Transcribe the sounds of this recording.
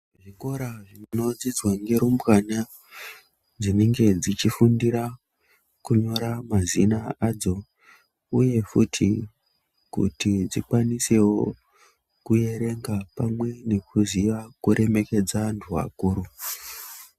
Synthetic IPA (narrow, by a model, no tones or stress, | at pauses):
ʐiŋɡo̞ɾaʐino̞d͡zid͡zwaŋɡe̞ɾumbɣana | d͡zineŋɡe̞d͡zit͡ʃifundiɾa | kuɲo̞ɾamazinaad͡zo̞ | uje̞fṵtʰi | kṵtid͡zikwanise̞wo̞ | kuje̞ɾe̞ŋɡapamwe̞ne̞kuziʋakuɾe̞me̞ke̞d͡zantʰua̰kuːɾu